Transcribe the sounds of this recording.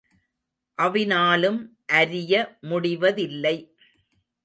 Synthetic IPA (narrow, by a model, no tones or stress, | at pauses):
ʔɐʋɪnaːlɯmʔɐɾɪjɐmʊɽɪʋɐðɪlːɐɪ